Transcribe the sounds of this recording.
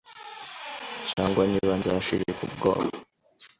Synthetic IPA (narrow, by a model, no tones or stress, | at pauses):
t͡ʃaːŋɡwaniβanzaʃiɾekubɡo̰ːβo